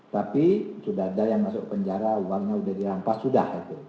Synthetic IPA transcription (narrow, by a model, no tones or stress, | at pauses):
t̪apisudaadajaŋmasʊk̚pəɲd͡ʒaɾauwaŋɲaudahdilampasudahɡit̪u